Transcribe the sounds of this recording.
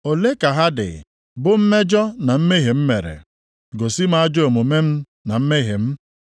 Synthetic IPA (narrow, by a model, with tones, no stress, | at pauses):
o˨le˦ka˨ɦa˦dɪ̰˨ | bʊ˦m̩˦me˦d͡ʒɔ˦na˨m̩˦me˦ɦe˨m̩˦me˨ɾḛ˨ | ɡo˨si˦ma˦a˦d͡ʒo˨mo˨me˦m̩˦ | na˨m̩˦me˦ɦe˨m̩˦